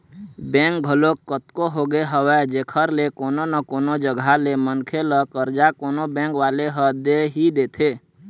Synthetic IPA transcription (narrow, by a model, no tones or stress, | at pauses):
bɛ̃ŋk̚ɡʱəlokət̪koɦoɡeɦəwɛd͡ʒeːkʰəɾlekoːnonəkoːnod͡ʒəɡʱalemənkʰeləkəɾd͡ʒakoːnobɛ̃ːŋkʋaːleɦəd̪eɦid̪eːt̪ʰeː